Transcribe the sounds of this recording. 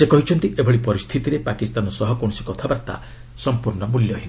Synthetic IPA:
sekɔɦit͡ʃʰɔnt̪iʔebʱɔɽipɔɾist̪ʰit̪iɾepakist̪anɔsɔɦɔkoɳsi̥kɔt̪ʰabaɾt̪a̰ | sɔmpuɾɳɔmuljɔɦin

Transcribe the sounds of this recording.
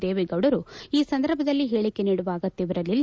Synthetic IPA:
d̪eːʋeɡɐʋɽɐɾuiːsɐnd̪ɐɾbʱɐd̪ɐlːiɦe̞ːɭikːe̞niːɽuʋaːɡɐt̪ːiʋɐɾɐlːilː

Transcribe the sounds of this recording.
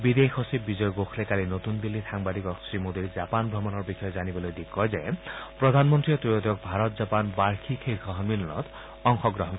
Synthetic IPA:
bid̪exosip̚bid͡ʒɔjɔɡoxʰlekalinot̪und̪ilːisaŋbad̪ikɔksɹimod̪iɾd͡ʒapanbʱɾɔmɔnɔɹbixɔjɔd͡ʒanibɔlojd̪ikːɔjzepɾɔd̪ʱanmɔnt̪ɾiɔt̪ɾijot̪ɔk̚bʱaɾɔt̪̚d͡ʒapanbaɾkʰikʰeɾɡɔɦɔnbilɔnɔ̰t̪ | ɔŋxɔɡɾɔɦɔn

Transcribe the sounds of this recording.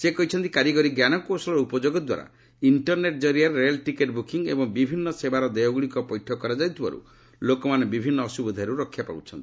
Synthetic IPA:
sekɔɦit͡ʃʰɔnt̪ikaɾiɡɔɾiɡjanɔkosɔlɔɾupɔd͡ʒoɡɔd̪wa̰ɾa̰ | iɳʈɔɾneʈ̚d͡ʒɔɾiaɾːelʈikeʈbukiŋḛbɔŋbibʱinːɔsebaɾɔd̪ejɔɡuɭikɔpɔjʈʰɔkːɔɾad͡ʒawt̪ʰiba̰ɾṵ | lokɔmanebibʱinːɔːsubɔd̪ʱaɾuɾɔkʰːjapa̰ut͡ʃʰɔnt̪i̥

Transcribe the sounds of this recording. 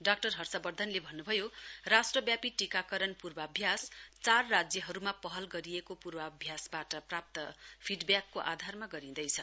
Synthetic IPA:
ɖak̚ʈʌrɦʌrsʌbʌrd̪ʱʌnlebʱʌnːubʱʌjorasʈrʌbjapiʈikakʌɾʌnpurbʌːbʱjast͡sarːad͡zjʌɦʌɾumapʌɦʌlɡʌɾijekopurbʌːbʱjasbaʈʌprap̚t̪ʌpʰiɖbjakːoʔad̪ʱarmaɡʌɾĩd̪ʌjt͡sʰʌ

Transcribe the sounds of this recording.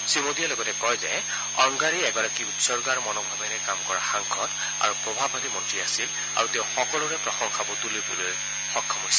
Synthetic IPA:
simodijalɔɡɔtɛkɔjzɛ̰ | ɔŋɡaɹiɛɡɔɹakiutsɔɹɡaɹmɔnɔk̚bʱabɛnɛkamkɔɹa̰xaŋkʰɔt | a̰ɹupɹɔbʱabʱabimɔntɹiasil | a̰ɹuteʊ̃xɔkɔlʊɹɛpɹɔxɔŋkʰabɔtulojbuloj | xɔkʰːɔmɦojsi

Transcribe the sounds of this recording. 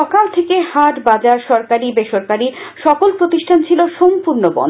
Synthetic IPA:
ɔkalt̪ʰekehaʈbad͡ʑaɾʃɔɾkaɾibeʃoɾkaɾiʃɔkolpɾot̪iʃʈʰant͡ɕʰiloʃompuɾnobɔ̰n

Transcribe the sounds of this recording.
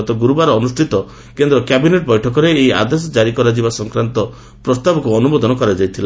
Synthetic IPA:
t̪ɔɡuɾubaɾɔːnusʈʰit̪ɔ | kend̪ɾɔkjabineʈ̚bɔjʈʰɔkɔɾeːja̰d̪esɔd͡ʒaɾikɔɾad͡ʒibasɔŋkɾant̪ɔ | pɾɔst̪abɔkuɔnubɔd̪ʱɔnɔkɔɾad͡ʒajt̪ʰila

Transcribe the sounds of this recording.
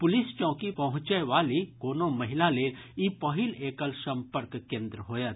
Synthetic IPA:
pʊlɪst͡ʃɔ̃ːkipɐɦʊ̃t͡ʃəʋaːlikoːnomɐɦɪlaleːlipɐɦɪleːkəlsɐ̃mpəɾkkẽːnd̪ɾɦoːjat̪

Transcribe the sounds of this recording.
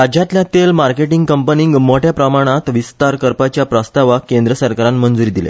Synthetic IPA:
əd͡ʑãt̪ljat̪elmaɾkeʈiŋɡkəmpəniŋɡmoʈjapɾəmaɽ̃at̪ʋist̪aɾkəɾpat͡ɕjapɾəst̪aʋakend̪ɾəsəɾkaɾãnmənd͡zuɾiːd̪ilḛ

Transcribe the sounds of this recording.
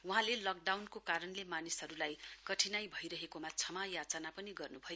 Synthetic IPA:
uɦãlelʌk̚ɖawnkokaɾʌnlemanisɦʌɾulajkʌʈʰinajbʱʌjɾʌɦekomat͡sʰʌmajat͡sanapʌniɡʌrnubʱʌjo

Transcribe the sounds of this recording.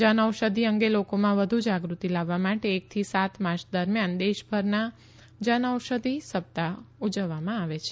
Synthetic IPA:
d͡ʒənəʋʃəd̪ʱiəŋɡelokomãʋəd̪ʱud͡ʒaɡɾut̪ilaʋːamaʈeːk̚t̪ʰisat̪maɾt͡ʃʰd̪əɾmjand̪eʃbʱəɾna | d͡ʒənəwʃəd̪ʱisəb̚t̪aud͡ʒəʋːamãaʋet͡ʃʰe

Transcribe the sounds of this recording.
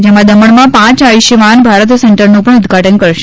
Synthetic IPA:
d͡ʒemãd̪əməɳmãpãt͡ʃaʋiʃəʋanbʱaɾət̪sɛɳʈəɾnũpəɳ̃ʊd̪ɡʱaʈənkəɾʃe̥

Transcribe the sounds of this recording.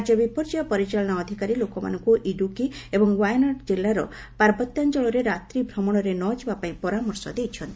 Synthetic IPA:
d͡ʒɔbipɔɾd͡ʒiɔpɔɾit͡ʃaɭɔɽ̃ɔːd̪ʱikaɾilokɔma̰nɔŋkuʔiɖukiebɔŋwajnɔʈd͡ʒilːaɾɔ̰ | paɾbɔt̪jand͡ʒɔɭɔɾeɾat̪ɾibʱɾɔmɔɽ̃ɔɾenɔd͡ʒibapaĩpɔɾamɔɾsɔ̰d̪ejt͡ʃʰɔnt̪i

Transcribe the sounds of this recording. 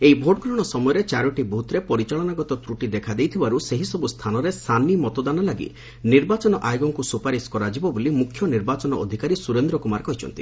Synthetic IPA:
ejbʱoʈɡɾɔɽ̃ɔsɔmɔjɔɾet͡ʃaɾɔʈibɔɦut̪ɾepɔɾit͡ʃaɭɔnaɡɔt̪ɔt̪ɾuʈid̪ekʰad̪ejt̪ʰibaɾuseɦisɔbust̪ʰanɔɾesanimɔt̪ɔd̪analaɡḭ | niɾbat͡ʃɔnɔʔajoɡɔŋkusupaɾiskɔɾad͡ʒibɔbolimukʰjɔniɾbat͡ʃɔnɔɔd̪ʱikaɾisuɾend̪ɾɔkumaɾkɔɦit͡ʃʰɔ̰nt̪i

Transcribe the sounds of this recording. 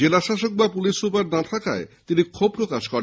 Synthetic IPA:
elaʃaʃok̚bapulisɾupaɾnat̪ʰaka̰et̪inikʰob̚pɾokaʃkɔɾ

